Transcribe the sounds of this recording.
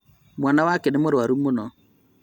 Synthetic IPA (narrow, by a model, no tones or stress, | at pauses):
mwanawakɪnɪmʊɾwaɾumʊnɔ